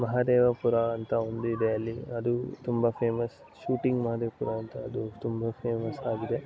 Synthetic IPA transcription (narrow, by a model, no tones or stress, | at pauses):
mɐɦaːd̪eːʋɐpuɾɐɐnt̪ɐond̪uid̪ejɐlːiɐd̪ut̪umbɐpʰeːmɐs | ʃuːʈiŋɡmɐɦaːd̪eʋɐpuɾɐɐnt̪ɐːd̪ut̪umbɐpʰeːmɐsaːɡid̪e̞